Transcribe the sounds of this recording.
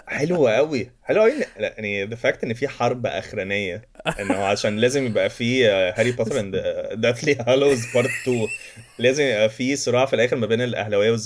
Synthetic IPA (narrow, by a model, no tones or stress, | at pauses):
ħelwæʔæwiħelwæʔæwiʔenːniðefæk̚t̪ʔenːfiːħɑɾˤbæʔæ̰xɾænejːæʔenːoʕaæʃæːnlæːzemjebʔæfiːhæɾipɑt̪ɾænd̪d̪æt̪lihælowezpɑɾˤt̪t̪ːuːlæːzemjebʔæfiːsˤoɾˤɑːʕɑfilʔæːxeɾmæbeːnelʔæ̰hlæwejːæwez